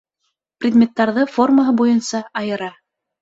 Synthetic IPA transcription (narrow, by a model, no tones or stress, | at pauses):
prʲɪd̪mʲet̪ːɑɾðɤfo̞rməɦɤbujɤnsɑːjɤ̆ɾɑ